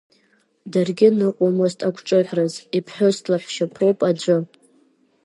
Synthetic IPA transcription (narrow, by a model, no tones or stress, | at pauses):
darɡʲɪnɨqʷʼomoztʰʼakʷʰʈ͡ʂʼɨʕʷrɨzipʰħʷᶣʊstʰlaħʷʃapʰrowpʼad͡ʒʷɨ